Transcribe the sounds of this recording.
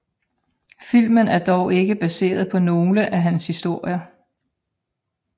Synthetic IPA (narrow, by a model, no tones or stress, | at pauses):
fil̰mənæɐd̥ɒʊʔe̝ɡ̥əb̥æse̝̰ːɐðˠpʰɒ̽no̝ːləʔæɦænshisd̥o̝ɐ̰jɐ